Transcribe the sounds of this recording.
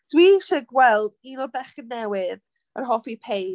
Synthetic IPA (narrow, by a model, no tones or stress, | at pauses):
d̥wiːʃɛɡwɛlˠdinɔbɛχənɛwɪð | ə̰rɦɔfipʰej